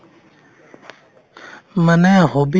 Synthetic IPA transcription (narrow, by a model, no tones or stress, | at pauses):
mənẽːɦobi